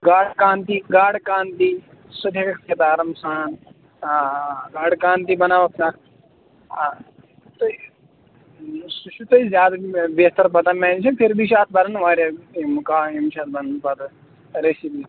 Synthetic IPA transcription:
ɡaːɽkaːnt̪iɡaːɽkaːnt̪i | sɐd̪ʱɐkɐkseːt̪aːɾɐmsaːn | ɡaːɽkaːnt̪̬ibɐnaːʋɐkt̪aː | t̪oi | suʃut̪oizʲjaːd̪abet̪ɐɾp̬ɐt̪ɐmɛ̃ːnt͡ʃʰɐpʰiɾbʱiʃaːt̪̚ʰbɐnɐnʋaːɾamkaːimʃʰaːt̪̚ʰbɐnnpɐt̪ | ɾesibi

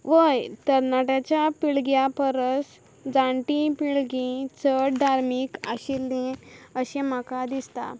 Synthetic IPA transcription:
ʋəjt̪əɾnaʈat͡ɕjapiɭɡjapəɾəs | d͡zãɳʈĩpiɭɡĩt͡səɽd̪ʱaɾmikaɕilːĩəɕẽmakad̪ist̪a̰

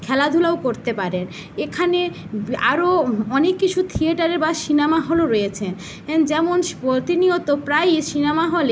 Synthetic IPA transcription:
kʰɛlad̪ʱulaokoɾt̪epaɾen | ekʰane | a̰ɾoɔnekːit͡ɕʰut̪ʰieʈaɾeɾbaʃinemaɦoloɾojet͡ɕʰen | ɛnd͡ʑɛmonpot̪iniot̪opɾajʃinemaɦole

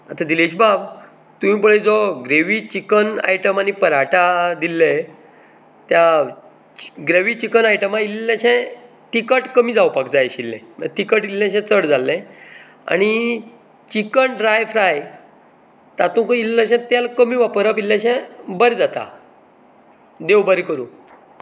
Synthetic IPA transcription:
at̪ad̪ileɕ̬bab | t̪uĩpəɭed͡zɔɡɾeʋiːt͡ɕikəna̰jʈəmanipəɾaʈad̪ilːe | t̪ja | ɡɾeʋiːt͡ɕikənajʈəmailːaɕɛ̃ | t̪ikəʈkəmiːd͡zawpakd͡zajɕilːɛ̰̃mə̰t̪ikəʈilːẽɕɛ̃t͡səɽd͡zalːɛ̃ | a̰ñi | t͡ɕikənɖɾajfɾaj | t̪at̪ũkəilːə̃ɕɛ̃t̪jalkəmiʋapəɾap̬ilːãɕɛ̃bəɾd͡zat̪a̰ | d̪ewbəɾikəɾṵ̃ː

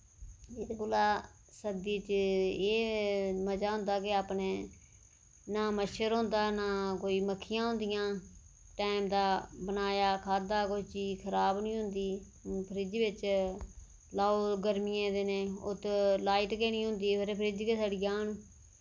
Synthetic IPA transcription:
et̪eɡʊlaː | səd̪iːt͡ʃeːməd͡ʒaːɦʊ̃nd̪aːkɪaːpneː | naːməʃəɾɦʊ̃nd̪aːnaːkoːiːməkʰːɪjãːɦʊ̃nd̪ɪjãː | ʈaːɪmd̪aːbənaːjaːkʰaːd̪aːkʊt͡ʃt͡ʃiːkʰəɾaːbnĩːɦʊnd̪iː | pʰəɾɪd͡ʒiʋɪt͡ʃ | laːoːɡəɾmijẽːd̪eːnẽːʊt̪laːiʈkeːnĩːɦʊnd̪iːpəɾeːpʰɾɪd͡ʒkeːsaːɽɪjaːn

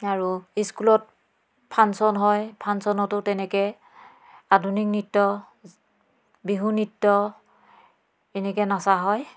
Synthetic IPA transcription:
aɹuiskulɔt̚ | pʰansɔnɦɔjpʰansɔnɔtʊtɛnɛkɛ | adunik̚nitːɔ | biɦunitːɔ | ɛnɛkɛnasaɦɔj

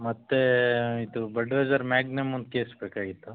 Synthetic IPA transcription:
mɐt̪ːeid̪ubɐɖʋeːd͡ʒɐɾmaːɡnemund̪̚keːsbeːkaːɡit̪ːu

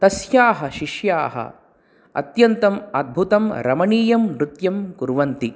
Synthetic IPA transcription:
t̪ɐsjaːɦɐʃiʃjaːɦɐ̰ | ɐ̰t̪jɐnt̪ɐmaːd̪̚bʱut̪ɐmɾɐ̰mɐɳiːjɐmːɾut̪jɐmkuɾʋɐnt̪i

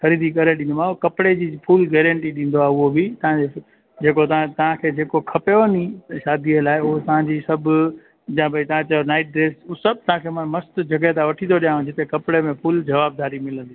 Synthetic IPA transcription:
xɐɾiːd̪ikɐɾeɗĩːnmãokɐpɽed͡ʑiːpʰuːlɡɛːɾə̃ɳʈiɗĩːn̆d̪oaːʊɦobɪt̪ɐɦãe | d͡ʑeːkot̪ɐãt̪ɐɦãkʰeːd͡ʑeːkokʰɐpjoniʃaːd̪iəlaːɪʊɦot̪ɐʋ̤ãɲd͡ʑiːsɐbʊ | jãbʱɐit̪ɐʋ̤ãt͡ɕɐjonaːɪʈ̚ɖɾeːsʊsɐb̚t̪ɐɦãkʰeːmɐ̃nmɐst̪d͡ʑɐɡət̪ãʋɐʈʰĩnd̪oɗijãːũd͡ʑɪt̪ekɐpɽemẽpʰuːld͡ʑɐʋaːb̚d̪aːɾimɪlə̃nd̪iː

